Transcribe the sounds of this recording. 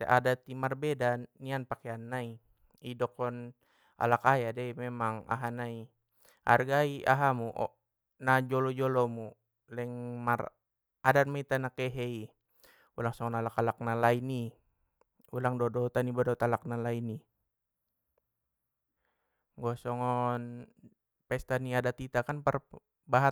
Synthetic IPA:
t̪ɛ̰ʔadat̪imarbɛdanːianpakeanːai | idɔkɔn | a̰lakajadɛimɛmaŋa̰ɦanai | a̰rɡaia̰ɦamuʔɔ̰ | nad͡ʒɔlɔd͡ʒɔlɔmu | lɛŋmar | adanmait̪anakɛɦɛi | ulaŋsɔŋɔnalakalak̚nalaini | ulaŋdɔdɔt̪anibɔdɔt̪alak̚nalaini | ŋɡɔsɔŋɔn | pɛst̪aniadat̪it̪akanpər | baɦa

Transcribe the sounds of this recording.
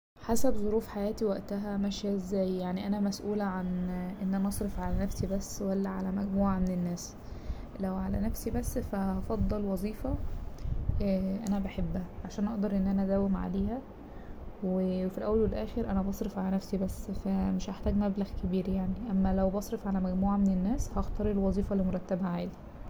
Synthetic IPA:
ħasæbzˤoɾuːfħajæːt̪iwæʔt̪æɦæmæʃjæzːæːjjaʕniʔænæmæsʔuːlæʕanʔenːʔænæʔɑsˤɾefʕalænæfsibæsːwælːæʕalæmæɡmuːʕamenenːæːs | læwʕalæ̰næfsibæsːfæɑfɑd̪ˤːɑlwɑzˤiːfɑ | ʔænæbæħebːæʕaʃæːnʔɑʔd̪ɑɾˤʔenːʔænææd̪æːwemʕa̰leːhæ | wefilʔæwːælwelʔæːxeɾʔænæbɑsˤɾefʕalænæfsibæsːfæmeʃʔaħt̪æːɡmæblæɣkebiːɾjaʕniʔæmːælæwbɑsˤɾefʕalæmæɡmuːʕamenenːæːshɑxt̪ɑːɾˤilwɑzˤiːfɑlːimoɾˤɑt̪ːæbæʕaːli

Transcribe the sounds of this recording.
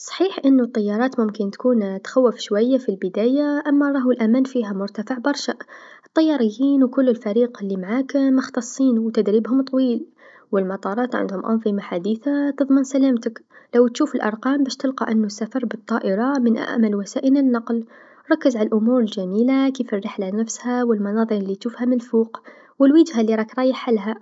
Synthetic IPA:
sˤɑ̥ħiːħʔɪnːut̪ˤːɑjːɑɾˤɑːt̪mʊmkɪnt̪kuːnt̪xawːɪfʃwajːafilbɪd̪æːjaʔamːaɾˤɑːɦulʔæmæːnfiːɦamʊɾt̪afɪʕbɑɾˤʃaʔʔət̪ˤːɑjːɑːɾˤɪjːiːnwkʊlːɪlfæɾiːqɪlːimaʕaːkmʊxt̪ɑsˤːiːnuwt̪ad̪ɾiːbhʊmt̪ˤːwiːl | wɪlmɑt̪ˤɑːɾˤɑːt̪ʕa̰nd̪hʊmʔɑ̰nðˤɨmaħad̪iːθat̪ɨðˤmənsalaːmt̪aklawt̪ʃuːfɪlʔɑ̰ɾˤqɑːmbæːʃt̪ɪlqɑʔɪnːʊsːafɑɾˤbɨt̪ˤːɑːʔɪɾˤɑmɪnʔa̰ʔmalwasaːʔɪnɪnːɑql | ɾˤɑkːɪzʕalʔʊmuːɾɪlʒamiːlakiːfɪrːɪħlanafshawɪlmɑnɑːðˤɨɾˤʔɪlːit̪ʃuːfhamɪnfuːq | wɪlwɪd͡ʒhalːiɾˤɑːkɾˤɑːjɪħːalːɦa

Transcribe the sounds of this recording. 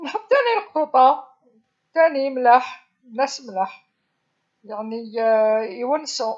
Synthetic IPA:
mħəb̚t̪ænilqʰuba | t̪ænimləħ | mnæsmləħ | jaʕni | iwənsʊ

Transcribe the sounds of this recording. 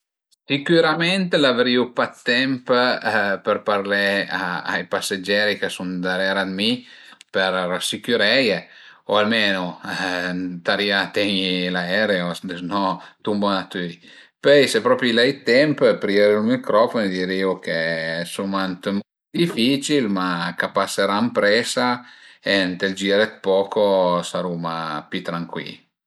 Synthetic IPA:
sikyɾamɛnt̪lavɾiupat̪ːɛmp | pəɾpaɾlɛaa̰jpasːed͡ʒɛɾikəsund̪aɾɛɾad̪mipəɾrasikuɾɛjeoalmeːnu | t̪aɾiat̪ɛɲilaɛɾeosd̪esnɔt̪umbonat̪yi | pøjsepɾɔːpɾjilɛjt̪ɛmppɾieɾeulmikɾɔfond̪iːɾiokesumant̪mo | d̪ifit͡ʃilmakapasːeɾampɾɛːsaent̪eld͡ʒiːɾet̪̚pɔːkosaɾumapit̪ɾaŋkwḭl

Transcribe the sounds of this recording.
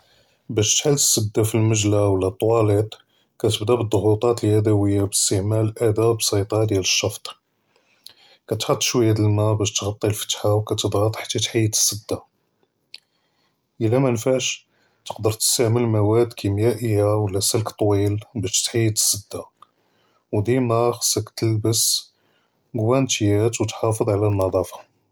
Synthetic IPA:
bæʃt̪ħalt̪ə̥sːəd̪ːafilməʒlawəlːæt̪ˤːwɑlet̪ˤ | kæt̪əbd̪æbəd̪ˤːoɣut̪ˤɑt̪əlhæd̪æwəjːabəst̪əʕmælʔæd̪æbsˤɑt̪ˤɑd̪jæləʃːɑft̪ˤ | kæt̪ħot̪ˤːʃwəjːæd̪əlmæbæʃt̪ɣɑt̪ˤːilfə̥t̪ħawkæt̪əd̪ˤɣɑt̪ˤħḁt̪ʰːæt̪ħajːət̪ə̥sːəd̪ːa | ʔəlːæmænfaʕʃ | t̪ə̥qd̪əɾˤt̪ə̥st̪əʕməlmæwæd̪kʰimjæʔəjːawəlːæsəlkt̪ˤːwilbæʃt̪ħajːət̪ə̥sːəd̪ːa | wd̪imæxsəkt̪əlbəs | ɡwænt̪jæt̪wət̪ħɑfəd̪ˤʕalænːɑd̪ˤɑfɑ̥

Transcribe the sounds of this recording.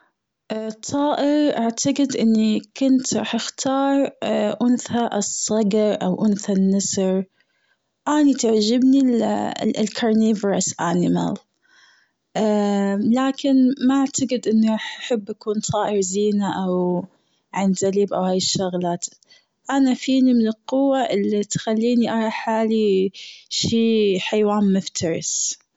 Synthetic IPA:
ʔt̪ˤʰːɑːʔɪɾʔaʕt̪aɡɪd̪ʔɪnːikʊnt̪ɾˤɑ̰ːħʔɪxt̪ʰɑːɾˤʔʊnθaʔsˤːɑɡɑɾˤʔawʔʊnθanːɪsɾ | ʔaːnit̪aʕd͡ʒɪbnil | lkʰɑɾˤniːvɾasʔanɪma̰l | ʔ | laːkɪnmaʔaʕt̪aɡɪd̪ʔɪnːɾaħʔaħabːʔakuːnt̪ˤʰɑːʔɪɾziːnaʔaw | ʕanzaliːbʔawhaːjɪʃːʊɣlaːt̪ | ʔanafiːnimɪnɪlqʊwːaʔɪlːit̪xalːiːniʔɑɾˤɑħaːli | ʃiːħajwaːnmʊft̪ʰɑɾˤɪ̰s

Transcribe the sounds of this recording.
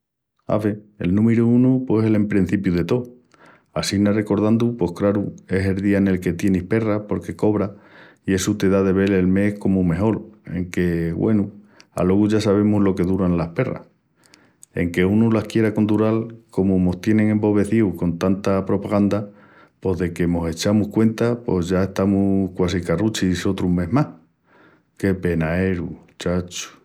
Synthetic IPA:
a̰βe̞ḛlnũmeɾuunupwosele̞mpɾin̟θipjuðe̞t̪o̞ | asinare̞ko̞ɾð̞and̪upo̞hkɾaɾue̞se̞lðiaene̞lke̞t̪je̞nihpe̞rahpo̞ɾke̞ko̞β̞ɾa | ie̞sut̪e̞ðaðe̞βe̞le̞lme̞hko̞mume̞ɦo̞le̞̰ŋke̞βwe̞̰nu | a̰lo̞ɣuʝasaβ̞e̞muzlo̞ke̞ðuɾanlahpe̞ra̰h | e̞̰ŋke̞unulahkje̞ɾako̞nd̪uɾalko̞mumo̞ht̪je̞nẽ̞ŋẽ̞mbo̞βe̞θiwko̞nt̪ant̪apɾo̞paɣand̪a | po̞zðe̞kemo̞se̞t͡ʃamuhkwe̞nt̪apo̞zʝae̞ht̪amuhkwasikarut͡ʃiso̞t̪ɾumme̞ɦmah | ke̞pe̞nae̞ɾut͡ʃat͡ʃu̥

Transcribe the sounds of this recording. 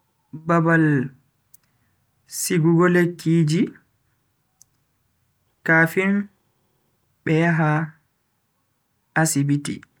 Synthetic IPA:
babal | siɡuɡɔlekʰːiːd͡ʒi | kaːfin | ɓɛjaɦa | asibitḭ

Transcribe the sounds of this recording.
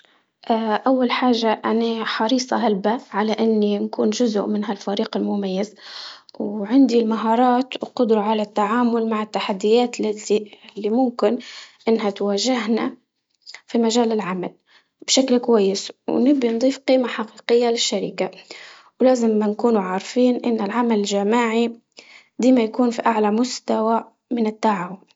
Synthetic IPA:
ʔaːʔawːalħaːʒːaʔanaħɑɾiːsˤɑɦalbaʕalaʔɪnːinkuːnʒʊzʊ̰ʔmɪnhalfaɾiːqɪlmʊmajːazwʕɪnd̪ilmaɦɑːɾˤɑːt̪wqʊd̪ɾɑʕalat̪ːaʕaːmʊlmaʕɪt̪ːaħad̪ːɪjaːt̪lɪilːimʊmkɪnʔɪnːɦat̪waːʒɪɦna | fimaʒaːlɪlʕama̰l | b̥ʃaklkwajːɪswnɪbind̪ˤiːfqiːmaħaqiːqɪjːalɪʃːaɾɪka | wlaːzɪmːankuːnuʕaːɾfiːnʔɪnːɪlʕamalɪʒamaːʕi | d̪iːmajakuːnfiʔaʕlamʊst̪awa | mɪnɪt̪ːaʕaːwʊn

